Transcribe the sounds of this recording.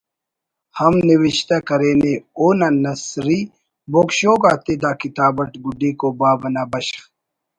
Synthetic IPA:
hɐmniwiɕt̪akɐɾeːneoːnanɐsɾi | boːkɕoːɡaːt̪ed̪aːkit̪aːbɐʈɡuɖiːkoːbaːbɐnabɐɕx

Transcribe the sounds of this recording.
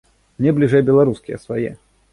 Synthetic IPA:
mnʲɛblʲiʐɛjbʲɛlˠaɾuskʲɪjə̰svajɛ̰

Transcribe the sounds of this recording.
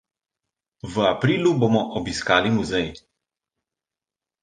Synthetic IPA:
vəapɾiːluboːmɔʔɔbiskaːlimuzɛj

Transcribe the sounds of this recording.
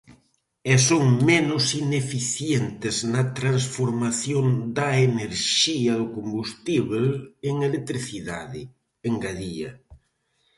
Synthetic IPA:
esoŋmenʊsinefiθjent̪ɪznɐt̪ɾansfoɾmaθjoŋd̪aeneɾʃiɐðʊkombust̪iβeleŋelek̚t̪ɾiθiðaðɪ | eŋɡaðiɐ̰

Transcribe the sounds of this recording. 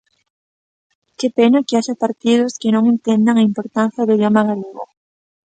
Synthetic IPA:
kepenakɪaʃapaɾt̪ið̞ʊskɪnõŋent̪end̪aŋaimpoɾt̪ãn̟θjɐðeiðjomaɣaleɣo̰

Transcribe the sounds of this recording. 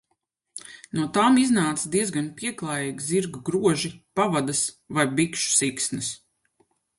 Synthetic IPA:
nuɔt̪aːmiznaːt̪sd̪iɛzɡanpiɛklˠaːjiːɡziɾɡuɡɾuɔʒipavad̪as | vajbikʃu̥siksnɐs

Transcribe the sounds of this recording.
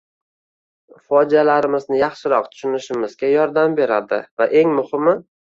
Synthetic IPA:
fɒd͡ʒialaɾɪmɪznɪjɑχʃɪɾɒq̚t̪ʰʊ̥ʃʊnɪʃɪmɪzɡʲajɒɾd̪ambe̞ɾad̪ɪ̰vaʔe̞ŋmʊhɪmɪ

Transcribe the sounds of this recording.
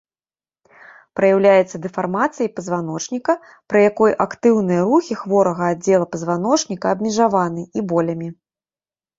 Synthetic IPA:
pɾɐjawlʲajɛt̪sːɐd̪ɛfarmat̪sɨjɐjpɐzvan̪ɔt͡ʂnʲikɐ | pɾɨjakɔjʔakt̪ɨwn̪ɨjɐɾuxʲixvɔɾɐɣɐːd͡zʲːɛlˠɐpɐzvan̪ɔt͡ʂnʲikɐːbmʲɛʐavanɨʔibɔlʲɐmʲi

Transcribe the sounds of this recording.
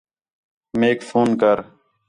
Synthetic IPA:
meːkfʰoːnkəɾ

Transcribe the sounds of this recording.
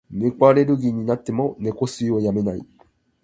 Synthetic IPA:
ne̞koaɾe̞ɾɯɡʲiɲ̟inat̪ːe̞mo̞ne̞kosɨojame̞naḭ

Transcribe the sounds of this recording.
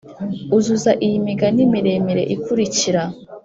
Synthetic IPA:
uzuzaʔijimiɡanimiɾe̞miɾe̞̰ʔikuɾiciɾa

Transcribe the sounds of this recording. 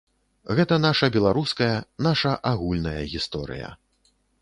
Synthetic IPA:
ɣɛt̪ɐnaʂɐbʲɛlˠaɾuskɐjɐnaʂɐʔaɣulʲnɐjɐɣʲist̪ɔɾɨ̰jɐ̰

